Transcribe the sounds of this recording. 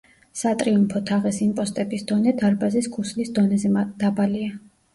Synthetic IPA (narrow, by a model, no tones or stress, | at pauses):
sat̪ʼɾiumpʰɔt̪ʰaʁɛsimpʼɔst̪ʼɛbisd̪̥ɔnɛd̪aɾbaziskʰuslisd̪ɔnɛzɛd̪̥abalia